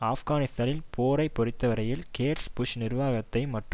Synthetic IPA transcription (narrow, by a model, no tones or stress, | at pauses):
aːfɣaːnɪst̪aːnɪlpʰoːɾɐɪpːɔɾɪt̪ːɐʋɐɾɐjɪlkeːɾspʊʃnɪɾʋaːɣɐt̪ːɐɪmɐʈrɯ